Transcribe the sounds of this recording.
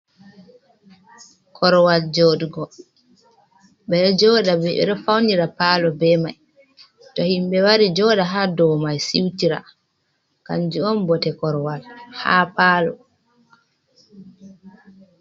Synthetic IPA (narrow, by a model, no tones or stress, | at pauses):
kʰɔɾwald͡ʒɔɗɡɔ | bɛd͡ʒɔːɗabɛɛ̰ɗɔfawniɾapalɔbɛmaj | tɔhimbɛwaɾid͡ʒɔːɗaɦadɔwmajsiwtiɾa̰ | ka̰nd͡ʒuɔmbɔtɛkɔɾwalhapaːlɔ